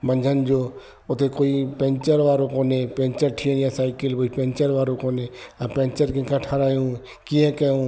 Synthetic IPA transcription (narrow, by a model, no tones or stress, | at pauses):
mə̃ɲd͡ʒʱənd͡ʒoː | ʊt̪ʰekoːipẽːnt͡ʃəɾʋaːɾõkoːnepẽːɲt͡ʃəɾʈʰiẽjãsaːɪkɪlkoːipẽːɲt͡ʃəɾʋaːɾõkoːneãpẽːnt͡ʃəɾkẽkɐʈʰaɾaːjũ | kiẽkɛũː